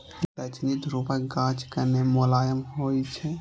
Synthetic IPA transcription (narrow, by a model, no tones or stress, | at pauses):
dət͡ʃnit̪ɾupẽɡãt͡ʃkənemolaːjəmɦojt͡ʃʰɛ